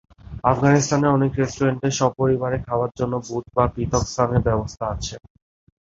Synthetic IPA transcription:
afɡanist̪aneɔnekɾesʈuɾeɳʈeʃɔb̚poɾibaɾekʰaoaɾd͡ʑonːobut̪̚bapɾit̪ɔkst̪ʰaneɾbɛbost̪ʰaat͡ɕʰe

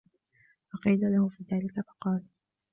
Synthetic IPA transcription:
fɑqiːlalahʊfiːðaːlɪkafɑ̥qɑːl

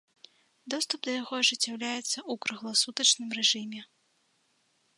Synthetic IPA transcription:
d̪ɔst̪upd̪ɐjaɣɔʐɨt͡sʲːawlʲajɛt̪sːɐukɾɨɣlˠɐsut̪ɐt͡ʂnɨmrɛʐɨmʲɛ

